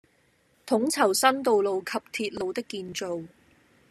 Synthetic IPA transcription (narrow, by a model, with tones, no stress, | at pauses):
t̪ʰʊ˨˥ŋt͡sʰɐ˨˩wsɐ˥nt̪o˨wlo˨wkʰɐ˨p̚t̪ʰiː˧t̚lo˨wt̪ɪ˥kːiː˨˧nt͡so˨w